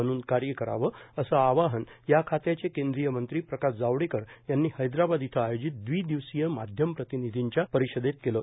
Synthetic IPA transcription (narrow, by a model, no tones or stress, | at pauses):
əɽ̃uːnkaɾjəkəɾa̰ʋəəsəaʋaɦənjakʰat̪jat͡sekẽnd̪ɾijəmənt̪ɾiːpɾəkaɕd͡zaʋɽikəɾjanːiːhəjd̪ɾabad̪it̪ʰəajod͡ʑit̪̚d̪ʋiːd̪iʋsijəmad̪ʱjəmpɾət̪inid̪ʱiɲt͡ɕjapəɾiɕəd̪et̪̚keləː